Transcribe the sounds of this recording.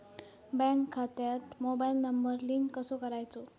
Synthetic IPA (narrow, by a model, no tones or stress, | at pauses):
bɛ̃ŋkʰːat̪jat̪mobailnəmbəɾliŋkːəsokəɾajt͡so